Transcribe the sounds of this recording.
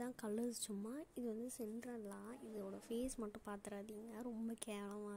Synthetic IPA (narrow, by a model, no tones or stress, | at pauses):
t̪ãːkɐlːɐɾst͡ʃʊmːaːɪðɯʋɐnd̪ɯsɛnɾɐlãːɪðɯoːɽɐfeːsmɐʈːʊ̃paːɾt̪ɪɾaːðiŋɡaɾɔmbɐkeːʋɐlɐmaː